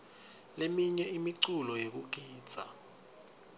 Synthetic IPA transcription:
lemiɲɛimiǀulɔjek̬uɡ̥ʱiːd̥z̥ʱa̰

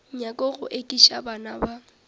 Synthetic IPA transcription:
ɲakʼɔɣʊ̰ʔekʼiʃa̰banaba

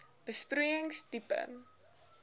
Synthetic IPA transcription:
b̥əspruəjəŋstipə̰

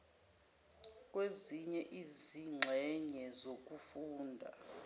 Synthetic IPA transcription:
k̬ʼweziɲɛʔiziŋ͡ǁʱɛɲɛzok̬ʼufuːndʱa̰

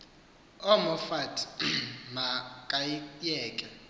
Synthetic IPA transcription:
ɔmɔfatʰmakʼaijɛːkʼɛ

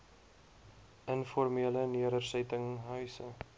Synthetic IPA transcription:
ənfɔrmiələniəɾərsətəŋɦœɥsə

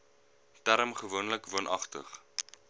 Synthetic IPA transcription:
tæɾəmχəvuənləkvuənʔɐχtə̰χ

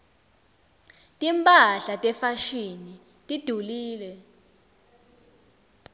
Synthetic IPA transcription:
tʼimpʼaɬatʼɛfaʃini | tʼid̥ʱuliːlɛ

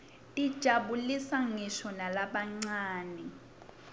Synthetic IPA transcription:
id̥ʒ̥ʱaɓulisaŋɛʃɔnalaɓaŋ͡ǀaːnɛ

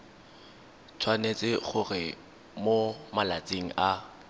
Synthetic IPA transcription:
t͡sʰwanet͡sʼɪχʊrɪ | momalat͡sʼeŋ̩ʔa

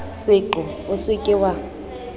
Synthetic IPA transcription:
sɪǃɔ | ʊsɪkʼɪwa

